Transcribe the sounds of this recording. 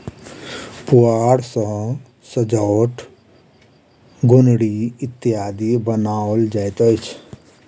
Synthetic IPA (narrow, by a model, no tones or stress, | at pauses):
puaɽsə̃ | səd͡ʒəʊʈʰ | ɡonɽiit̪ːijad̪ibənaold͡ʒajt̪əjt͡ʃʰ